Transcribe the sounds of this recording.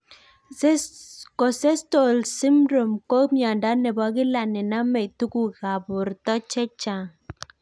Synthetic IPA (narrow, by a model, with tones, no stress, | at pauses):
kɔ˨sɛ˦sto˨lsi˦mɾo˨mko˦mja˨nda˦nɛ˨ba˨˦ɡɪ˦la˨nɛ˨na˦mɛ˨tu˦ku˦ɣa˨bʊ˨ɾtɔ˦t͡ʃɛ˦t͡ʃa˨